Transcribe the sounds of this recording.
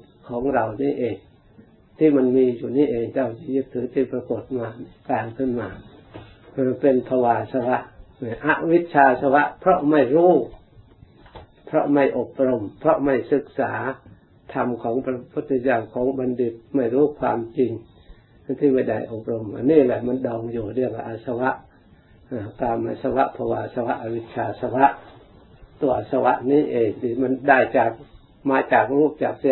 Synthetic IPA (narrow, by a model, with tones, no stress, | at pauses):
kʰɔː˩˦ŋɾa˧˩wniː˥˩˨ʔeː˨˩ŋ | t̪ʰiː˧˩ma˧nmiː˧juː˨˩niː˥˩ʔeː˨˧ŋt͡ɕa˧˩wt͡ɕa˧˩jɯ˦˥p̚t̪ʰːɯː˨˦t̪ʰiː˧˩pɾa˧ko˨˩t̪̚maː˧kaː˧ŋkʰɯ˧˥˨nmaː˧ | a˧pe˧npʰɔ˧waː˧˩sa˧wa˦˥ʔʔa˧˥ʔwi˦˥t̪̚t͡ɕʰaː˧sa˧wa˦˥ʔpʰɾɔ˦˥ʔma˥˩jɾuː˦˥˩ | pʰɾɔ̰˦˥ʔma˧˥˩jʔo˨˩p̚ɾo˧mpʰɾɔ˦˥ʔma˥˩jsɯ˨˩k̚sa̰ː˩˦ | t̪ʰa˧mkʰɔː˨˦ŋpa˧pʰu˧˥t̪̚ːi˧jaː˧mkʰɔː˨˦ŋba˧˨ndi˧˩p̚ma˧˩jɾuː˥˨kʰwa̰ː˧mt͡ɕi˧ŋ˧ | t̪ʰiː˧˩ma˧˩jda̰˧˩jʔo˨˩p̚ɾo˧mʔa̰˧˨nːiː˧˥˨lɛː˧˩˨ma˧˥˨ndɔː˧ŋjuː˨˩dɯ˧˩əŋa˧˩ʔa˧˩sa˧wa˧˥ʔ | a˧˩t̪aː˧mːa̰˧˨sa˧wa˧ʔpʰɔ˧waː˧ʔa˨˧˩sa˧wa˧˥ʔa˧wi˧˥t̪̚t͡ɕʰaː˧sa˧wa˧ʔ | t̪u˧ɐʔa˨˧˩sa˧wa̰˧˥ʔniː˧˥˨ʔeː˨˧˩ŋt̪ʰiː˧˩ma˧˥˨ndaː˧˩jt͡ɕaː˨˩k̚ | maː˨˧˦t͡ɕaː˨˩k̚ɾuː˧˥˩t͡ɕaː˨˩k̚sa˧